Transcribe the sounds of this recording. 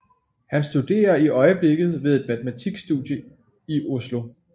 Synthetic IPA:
hænsd̥ud̥e̝̰ːɐiʔɒ̽ɪəb̥le̝ɡ̥ð̞̩ˠʋeð̞ˠe̝d̥mæt͡sʰemæt͡sʰiɡ̥sd̥ud̥jə | iʔo̝slo̝

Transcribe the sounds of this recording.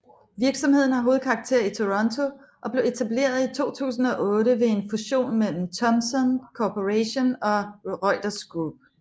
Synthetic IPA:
ʋiɐɡ̥sɒ̽mhe̝ð̞̰ˠn̩ɦɑ̈ɦo̝ːð̩ˠkʰɑ̈ːɡ̥̚t͡sʰe̝̰ɐ̰it͡sʰo̝ʁɒ̽nt͡sʰo̝ | ʔɒ̽b̥le̝e̝t͡sʰæble̝̰ːɐð̞ˠit͡sʰo̝̰ːt͡sʰṵːs̬n̩ɒ̽ʔɔ̽ːɾəʋe̝e̝nfuɕo̝̰ːnmel̰m̩t͡sʰɒ̽msɔnkʰopʰoʁæɕo̝nɒ̽ʁɒɪd̥ɐsɡ̥ʁub̥

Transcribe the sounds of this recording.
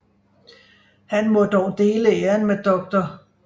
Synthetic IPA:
hænmɔ̽d̥ɒʊ̰d̥e̝ːləeːɐnmed̥ɒ̽ɡ̥̚d̥ɐ

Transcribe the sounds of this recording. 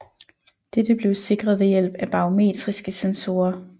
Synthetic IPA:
d̥ed̥əb̥le̝ʊse̝ɡ̥ʁɐðˠʋejel̰b̥æb̥ɑ̈o̝me̝̰ːd̥ʁisɡ̥əsenso̝ːɐ

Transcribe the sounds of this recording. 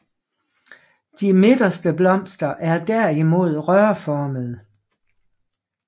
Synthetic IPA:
d̥imed̥ɐsd̥əblɒ̽m̰sd̥ɐʔæɐd̥æɐimo̝ð̰ˠʁœɐfɒːməð̞ˠ

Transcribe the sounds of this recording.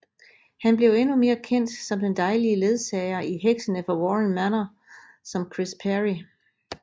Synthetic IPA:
hænb̥le̝ʊenume̝ːɐkʰen̰d̥sɒ̽md̥end̥ɑ̈ɪliəle̝ð̞ˠsɛɪɐʔiɦeɡ̥sənəfɒwɒʁənmænɐ | sɒ̽mkʰʁispʰæʁi

